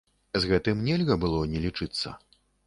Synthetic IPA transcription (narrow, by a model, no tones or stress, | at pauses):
zɣɛt̪ɨmnʲɛlʲɣɐbɨlˠɔnʲɛlʲit͡ʂɨt̪sːɐ̰